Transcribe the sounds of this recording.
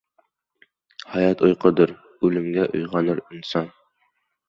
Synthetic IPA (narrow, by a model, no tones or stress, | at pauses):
hæjɑt̪ojqɤd̪ɤɾ | ʉlɘ̆mɡæʔo̰jʁɑnɤɾinsɑn